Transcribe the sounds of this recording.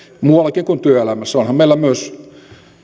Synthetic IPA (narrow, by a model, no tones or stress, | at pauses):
muɑlːˑɑkiŋkunt̪yøelæmæsːæonhɑmmeˑilːæmyøs